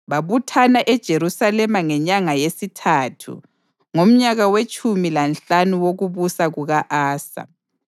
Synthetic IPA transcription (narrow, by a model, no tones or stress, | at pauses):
βaβutʰanaʔɛd̥ʒ̥ʱeɾusalɛmaŋɛɲaŋajesitʰatʰṵ | ŋom̩ɲaɣawet͡ʃʼumilanɬanuwoɣuβusaɣuɣaʔaːsa̰